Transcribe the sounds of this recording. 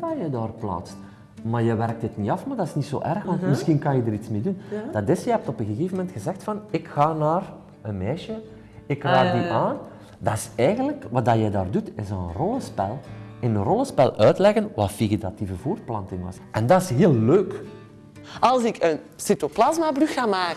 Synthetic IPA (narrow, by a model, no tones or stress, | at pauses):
aːjədaːrpla̰ːtst | maːrjəʋɛrk̚tətniɑfmaːrdɑɪsniso̰ːʔɛrxɑntmɪsxinkɑnjədəɾitsmeːdund̥ɑdɪsjəɦɛp̚tɔpənɣəɣeːvəmɛntxəzɛxtfɑnɪkxaːnaːr | ənmɛːʃə | ɪkraːdiʔaːn | dɑɪsɛːjɣənləkʋɑdɑjədaːrdutɪsənrɔləspɛ̰lˠɪnənrɔlˠəspɛlˠœːtlɛɣənʋafiɣitativəvuːrplɑntɪŋʋɑ̰sʔɛndɑɪsɦeːlˠːøːk | ɑlˠsɪkən | sitoplazmabryxxaːmaːk